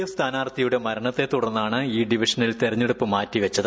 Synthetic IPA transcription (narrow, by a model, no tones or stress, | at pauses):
jɐst̪ʰaːnaːrt̪ːijuɽe̞mɐɾɐɳɐt̪ːe̞t̪uɽɐnːaːɳɨiːɖiʋiʂɐnilt̪irɐɲːeɽupːɨmaːtːiʋɐt͡ɕːɐðɨ